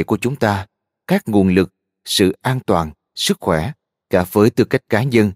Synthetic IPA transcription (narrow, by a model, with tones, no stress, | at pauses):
jku˧˩ət͡ɕʊ˨˦ŋ͡mt̪aː˧ | kaː˦˥k̚ŋu˨˩ənlɨ˨˩k̚ | sɨ̰˧˨ʔaː˧nt̪waː˨˩n | sɨ˦˥k̚xwɛ˧˩ | kaː˧˩vəː˨˦jt̪ɨ˧ka˦˥jk̟̚kaː˨˦ɲə˧n